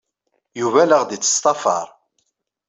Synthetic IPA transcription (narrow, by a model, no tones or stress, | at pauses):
juvæləʁd̪it͡sːə̥st̪ˤɑfɑ̰ɾˤ